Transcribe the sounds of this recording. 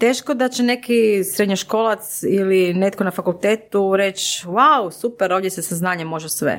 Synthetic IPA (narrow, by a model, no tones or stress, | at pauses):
t̪eːʃkod̪at͡ɕene̞kisɾed̪ɲoʃko̞ːlˠat̪siline̞t̪konafakulˠt̪eːt̪uɾe̞t͡ʃwawsupeɾoʋdjesesaznaːɲemo̞ʒesʋḛ